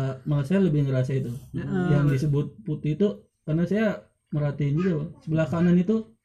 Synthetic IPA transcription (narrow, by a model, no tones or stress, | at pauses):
maasajaləbɪhŋəɾasait̪ujaŋdisəbʊt̪̚put̪ɪit̪u | karnasaja | məɾat̪iɪnd͡ʒuɡaasəbəlahkananit̪u